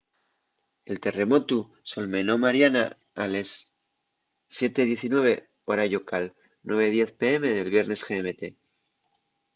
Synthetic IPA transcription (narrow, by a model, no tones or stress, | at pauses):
e̞lt̪ere̞mo̞t̪u | so̞lme̞no̞maɾjana̰ | ales | je̞t̪eðje̞θinwe̞β̞e̞ | oɾaʝokal | nwe̞β̞e̞ð̞je̞θpee̞me̞ðe̞lβje̞ɾne̞sxeːme̞t̪e̞